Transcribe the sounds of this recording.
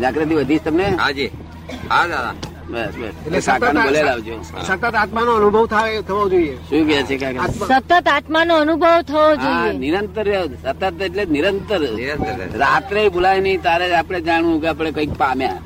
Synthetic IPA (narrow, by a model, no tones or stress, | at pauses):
d͡ʒakɾat̪iʋəd̪ʱit͡ʃʰt̪əmneɦa̰d͡ʒi | ɦaa̰ | bəsbə̰selesakanebolelaʋd͡ʒʰo̰sət̪ət̪at̪manoənubʱəʋt̪ʰaet̪ʰəʋad͡ʒoieʃũk̬et͡ʃʰekakaasət̪ət̪at̪manoənubʱəʋt̪ʰəʋod͡ʒoienɪɾənt̪əɾesət̪ːət̪eʈleniɾənt̪əɾnɾənt̪əɾ̰ɾat̪ɾeibulajnəĩt̪aɾed͡ʒapɽ̃ed͡ʒaɽʋũkeap̬ɽ̃ekəik̚pamja